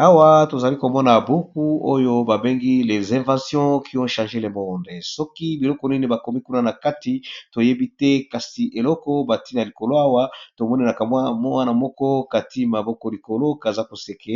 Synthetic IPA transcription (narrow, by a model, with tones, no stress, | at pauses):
a˦wa˦to˨za˨li˦ko˨mɔ˦na˨bo˦ku˦o˦jo˦ba˨be˦ŋɡi˦le˨zɛ̃˨vã˨sjɔ̃˦kʰi˦ɔ̃˦ʃã˨ʒe˦le˨mɔ˦nde˨sɔ˦ki˦bi˨lɔ˦kɔ˨ni˦ne˨ba˨ko˨mi˦ku˦na˦na˨ka˦ti˨to˨je˦bi˦tɛ˦ka˨si˨ʔe˨lɔ˦kɔ˦ba˨ti˦na˨li˨ko˨lo˦a˦wa˦to˨mɔ˦ni˦na˨ka˨mwa˦mɔ˦wa˦na˨mɔ˦kɔ˦ka˨ti˦ma˨bɔ˦kɔ˦li˨ko˨lo˦ka˨za˦ko˨se˨kʰe˦